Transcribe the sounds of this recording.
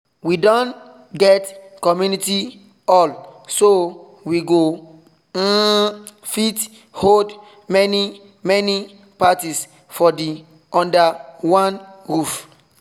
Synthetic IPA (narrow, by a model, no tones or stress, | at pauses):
widɔ̃nt | ɡɛt | kɔmjuniti | ɔlso | wiɡo | fit | hod | mɛni | mɛni | patis | fɔdi | ɔ̃ndawãnɹuf